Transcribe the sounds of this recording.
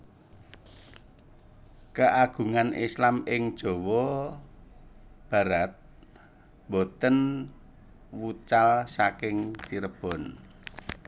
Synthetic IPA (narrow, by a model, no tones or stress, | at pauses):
kəʔaɡ̥ṳŋanʔislamɪŋd̥ʒ̥ɔ̤wɔ | b̥a̤ɾat̪̚ | mbot̪ən | wut͡ʃalsakɪŋt͡ʃiɾəb̥ɔ̤n